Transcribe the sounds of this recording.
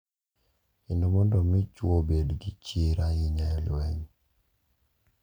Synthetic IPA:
ɪndomɔndɔmɪt͡ʃwobedɡit͡ʃiɾajɪɲajɔlwɛɲ

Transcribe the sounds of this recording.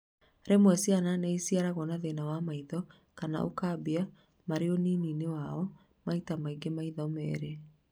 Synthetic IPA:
ɾɛmwɛsiananeisiaɾaɣɔnaðenawamaiðɔ | kana̰ʔo̰kabia | maɾeɔnininewaɔ | maitamaiɡemaiðɔmɛ̰ːɾe

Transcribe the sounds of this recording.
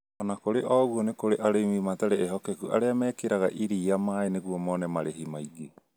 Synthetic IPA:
ɔnakoɾeʔɔːɣuonekoɾeʔaɾeimimataɾeːɦɔkekuʔa̰ɾeamɛːkeɾaɣa̰ʔiɾiːamaːeneɣuomɔnɛmaɾeɦimaiɡe

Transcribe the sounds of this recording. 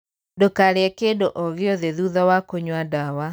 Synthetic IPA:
dokaɾeɛkedoʔɔɣeɔðeðuðɔwakoɲwadawa

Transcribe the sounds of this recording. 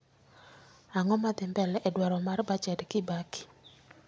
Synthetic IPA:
aŋɔmad̪ɪmbɛlʔɛdwaɾɔmarbat͡ʃɛdkɪbakɪ̥

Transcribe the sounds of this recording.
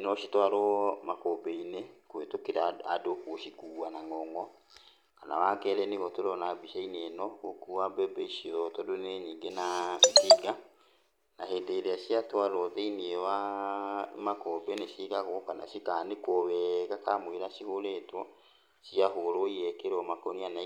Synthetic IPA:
nɔʃitwaɾɔmakobeinekwetokeɾaadokwoʃikuːwanaŋɔŋɔ | kana̰wakɛɾɛneɣɔtoɾɔnabiʃainiɛnɔokuwabɛbɛiʃiɔtɔdoneɲiːŋɡenasiɡa | naɦeːndeɾeaɕiatwaɾɔðeiniewa | makɔbeneʃiɣaɣoɔkana̰ʃikanekɔβɛɣakamweɾaɕihoɾeːtwɔ | siaɦoɾoiɛkeɾɔmakɔniana

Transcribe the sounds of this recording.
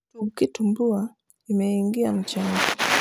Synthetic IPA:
tuukitumbua | imɛiŋɡiam̩t͡ʃaŋki

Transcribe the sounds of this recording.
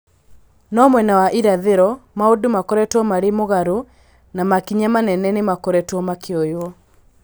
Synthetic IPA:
nɔmwɛnawaʔiɾaðeɾɔmaodumakɔɾɛtwɔmaɾemoɣaɾo | namakiɲamanɛnɛnemakɔɾɛtwɔmakeɔjwɔ

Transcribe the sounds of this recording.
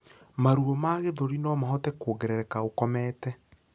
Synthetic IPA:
maɾuomaɣeðoɾinɔmaɦɔtɛkoːɡeɾɛɾɛkaokɔmɛtɛ

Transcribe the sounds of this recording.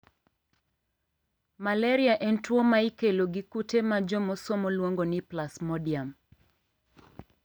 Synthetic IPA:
malɛɾiaʔentwomaikeloɡikutʰemad͡ʒomosomɔlwoŋɡonɪplasmɔdiam

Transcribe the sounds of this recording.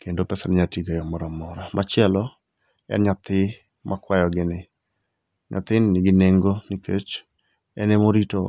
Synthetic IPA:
kendopɛsaɾɲatiɡojɔmɔɾamɔɾamʔat͡ʃɪɛlɔ | ɛ̰nɲat̪ɪ | mʔakwajɔɡɪnɪ | ɲa̰t̪ɪnnɪɡɪneŋɡonɪket͡ʃ | ɛ̰nemoɾito

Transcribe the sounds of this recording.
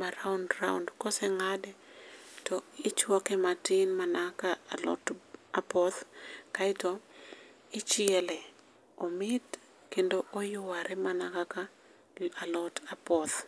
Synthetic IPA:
maɾaundraundkɔsɛŋadɛtɔɪt͡ʃwɔkɛmatɪnmanakaːlɔ̰tapɔt̪kaɪtɔ | ɪt͡ʃɪɛlɛ | ɔmɪt | kendoʔojʊwaɾɛmanakaka | alɔtʰapɔt̪

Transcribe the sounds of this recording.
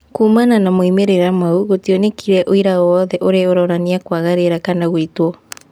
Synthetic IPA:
kuːmananamoimeɾeɾamauɣotionekiɾɛʔoiɾaɔðɛʔoɾeoɾɔɾaniakwaɣaɾeɾakanaɣwitwɔ

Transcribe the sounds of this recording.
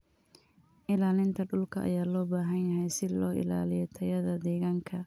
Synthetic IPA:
ʔɪlaːlɪnt̪ʰɐɖʊlkʰɐʔɐ̰jaːlɔːbaːɦɐnjɐɦɛjsɪlɔːʔɪ̰la̰ːlɪjɔt̪ʰɐjɐðɐd̪ɛːɣaːŋkʰɐ

